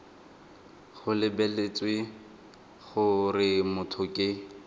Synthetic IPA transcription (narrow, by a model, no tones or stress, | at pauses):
χʊlɪbɛlet͡sʼwɪ | χʊrɪmʊtʰʊkʼɪ